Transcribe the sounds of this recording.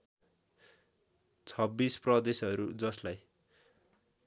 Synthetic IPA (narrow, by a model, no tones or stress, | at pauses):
t͡sʰʌbːisprʌd̪esʌɾud͡zʌslaj